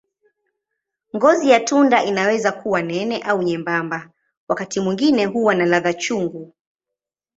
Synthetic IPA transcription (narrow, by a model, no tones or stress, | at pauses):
ŋɡɔzijatundaʔinawɛzakuwanɛnɛʔauɲɛmbamba | wakatimwiŋɡinɛɦuwanalaðat͡ʃuŋɡu